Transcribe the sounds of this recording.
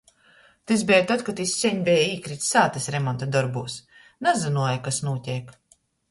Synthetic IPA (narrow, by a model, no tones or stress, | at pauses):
t̪izbʲɛjt̪at̪̚kat̪isʲːiɛɲbʲɛjaiːkɾit̪ssaːt̪ɛsɾɛmɔnt̪ad̪ɔɾbuːs | nazɨnuɔjakasnuɔt̪ʲiɛk